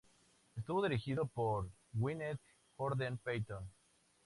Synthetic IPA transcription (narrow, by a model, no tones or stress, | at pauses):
est̪uβoðiɾixiðopoɾ | winet̪ | koɾðenpejt̪on